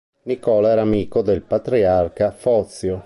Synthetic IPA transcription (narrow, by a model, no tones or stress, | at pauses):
nikɔːlaɛɾamiːkod̪elpat̪ɾiarkafɔt̪sjo